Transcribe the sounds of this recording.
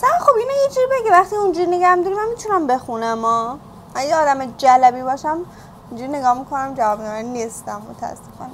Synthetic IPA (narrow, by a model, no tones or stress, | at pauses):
sæɾæxobinejid͡ʒuɾibeɟevæχt̪iund͡ʒuɾineɡæhmd̪ɔɾimæmmit̪ʰunæmbe̞xunæmɒː | æejeɒːd̪æmed͡ʒælæbiːbɒːʃæm | und͡ʒuɾineɡɒːhmikʰonæmd͡ʒævɒːbnɒɾanːist̪æmːot̪ʰææ̰sːefɒ̰ːne